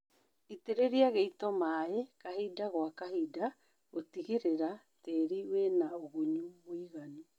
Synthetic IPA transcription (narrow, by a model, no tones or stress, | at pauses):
iteɾeɾiaɣeitɔmaːekaɦidaɣwakaɦida | ɣotiɣeɾeɾa | teɾiwenaoɣuɲuβwiɣani